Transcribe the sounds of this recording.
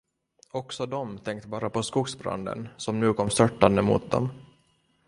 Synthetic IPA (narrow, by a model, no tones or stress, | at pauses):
ɔksɔd̪ɔmt̪ʰɛŋk̚t̪bɑːɾapʰɔskuːɡsbɾa̰nd̪ə̰nsɔmnʉ̟ːkʰɔmːst̪œʈːand̪əmṵːt̪̚d̪ɔ̰m